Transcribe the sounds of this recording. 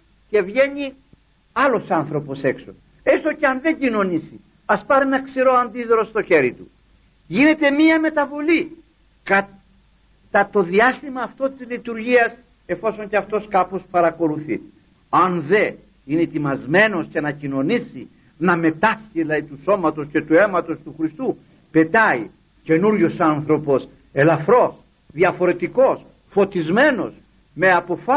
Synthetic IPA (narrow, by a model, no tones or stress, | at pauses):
ce̞vʝe̞ɲi | ɐlo̞sɐnθɾo̞po̞se̞kso̞ | e̞st̪o̞ceɐnðe̞ɲɟino̞nisi | ɐspɐɾinɐksiɾo̞ɐnd̪iðɾost̪o̞çe̞ɾit̪ṵ | ʝine̞t̪e̞miɐme̞t̪ɐvo̞li | kɐ | t̪ɐt̪o̞ðiɐst̪imɐːft̪o̞t̪izlit̪uɾʝiɐs | e̞fo̞so̞ɲceɐft̪o̞skɐpo̞spɐɾɐko̞luθḭ | ɐnðe̞ | ineit̪imɐzme̞no̞scenɐcino̞nisi | nɐme̞t̪ɐsciðilɐðit̪uso̞mɐt̪o̞sce̞t̪ue̞mɐt̪o̞st̪uxɾist̪u | pe̞t̪ɐi | ce̞nuɾʝosɐnθɾo̞po̞s | e̞lɐfɾo̞s | ðjɐfo̞ɾe̞t̪iko̞s | fo̞t̪izme̞no̞s | me̞ɐpo̞fa